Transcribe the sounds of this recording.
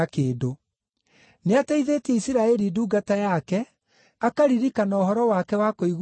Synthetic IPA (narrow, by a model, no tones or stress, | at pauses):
keːdo | neataiðeːtɛisiɾaɛɾiduːɡatajakɛ | akaɾiɾikanɔoɦɔɾɔwakɛwakoiɣ